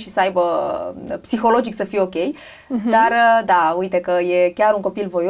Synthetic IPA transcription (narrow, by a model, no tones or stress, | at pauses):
ʃisəajbə | psixo̞lo̞d͡ʒiksəfijeokʲe̞j | d̪aɾəd̪aujt̪e̞kəje̞kʲaɾuŋko̞pilvo̞j